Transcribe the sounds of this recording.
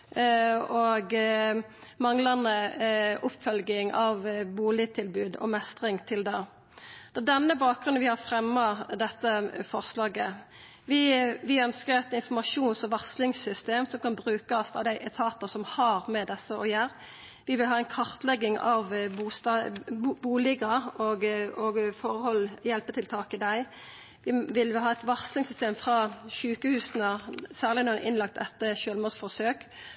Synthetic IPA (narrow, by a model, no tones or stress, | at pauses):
oɡ | mɑŋlɑnəʔʊpːfœlɡɪŋɑʋbuːlɪt̪ʰɪlbʉːd̪ɔ̰mɛst̪ʁɪŋt̪ʰɪld̪ɛ | d̪̥ɛːd̪ɛnːəbɑːk̚ɡɾʁʉnʋɪhɑfɾɛmːɑd̪ɛt̪ːəfɔʁslɑːɡə | ʋɪʋɪœnskəɾɛt̪ɪnfɔmɑʂuːnsɔʋɑslɪŋsʏst̪eːmsɔmkʰɑnbɾʉːkɑsɑ̰ʋd̪æɪʔɛt̪ʰɑːt̪əsɔmhɑʁmɛd̪ɛsːəʔɔjæːʁ | ʋɪʋɪlɦɑːɛɪnkʰɑʁt̪lɛɡːɪŋɑʋbuːst̪ɑbuːlɪɡɑoɡoɡfɔʁhɔlːjɛlpət̪ʰɪlt̪ʰɑːkəd̪æɪ | ʋɪʋɪlɦɑːɛt̪ʋɑʁslɪŋsʏst̪eːmfʁɑːʃʉːkəhʉːsnəsæːʁlɪnɔːʔɪnlɑk̚t̪ʰɛt̪ːəʃøːlmoːsfɔsøːk